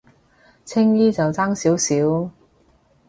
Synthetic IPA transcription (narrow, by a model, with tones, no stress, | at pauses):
t͡sʰɪ˥ŋjiː˥t͡sɐ˨wt͡saː˥ŋsiː˨˥wsiː˨˥w